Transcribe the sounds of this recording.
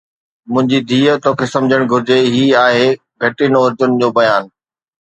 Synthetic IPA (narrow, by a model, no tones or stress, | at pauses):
mʊ̃ɦɪ̃ɲd͡ʑid̪ʱiːət̪oːkʰeːsɐ̃md͡ʑʱəɽ̃ɡʱʊɾɪd͡ʑeɦiːaːɦeː | ɡʱɐʈinɐɾd͡ʑʊnɪ̆d͡ʑoːbɐjaːn